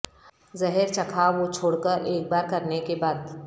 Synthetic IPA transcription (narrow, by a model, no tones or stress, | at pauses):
zɐɦeɾt͡ʃɐkʰaʋot͡ʃʰoːɽkəɾeːk̚baːɾkɐɾnekebaːd̪